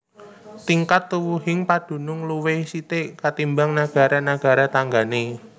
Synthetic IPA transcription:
t̪iŋkat̪ːuwuɦɪŋpad̥ṳnʊŋluwesit̪ekat̪imbaŋnaɡ̥a̤ɾanaɡ̥a̤ɾat̪aŋɡane

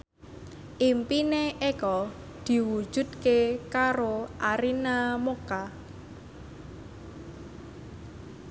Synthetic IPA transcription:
ʔimpineekɔ | d̪̥i̤wud̥ʒ̥ṳd̪̚kekaɾoʔaɾinamoka

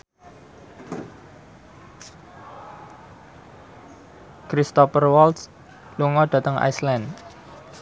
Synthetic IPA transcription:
kɾist̪ɔpərwɔls | luŋɔd̥ä̤t̪əŋa̰jslɛn

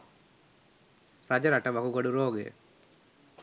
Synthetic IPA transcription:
ɾɐd͡ʒɐɾɐʈɐʋɐkuɡɐɽuɾoːɡḛ

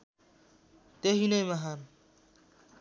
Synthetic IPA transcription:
t̪eɦinʌjmʌɦan

